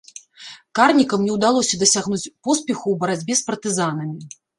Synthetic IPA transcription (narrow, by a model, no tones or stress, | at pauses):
karnʲikɐmnʲɛwd̪alˠɔsʲɐd̪ɐsʲaɣnut͡sʲpɔspʲɛxuwbɐɾad͡zʲbʲɛspɐrt̪ɨzan̪ɐmʲi